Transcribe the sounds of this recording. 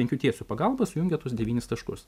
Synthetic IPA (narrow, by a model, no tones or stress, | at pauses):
ɛŋʲkʲuːt̪ʲiɛsupɐɡɐlˠbɐsʊjʊŋʲɡʲɛt̪ʊsd̪ʲɛʋʲiːnʲɪst̪ɐʃkʊs